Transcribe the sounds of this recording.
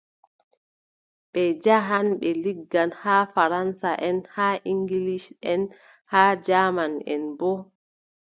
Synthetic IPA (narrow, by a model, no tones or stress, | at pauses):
ɓɛd͡ʒaɦanɓɛliɡːanhaːfaɾansaʔɛnhaːʔiŋɡiliʃɛn | haːd͡ʒaːmanɛ̰nbɔ